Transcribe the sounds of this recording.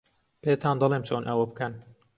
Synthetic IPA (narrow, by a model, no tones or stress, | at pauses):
peːt̪ʰɑːnd̪ɨleːmt͡ʃʰoːnʔɐwɐbɨkɐn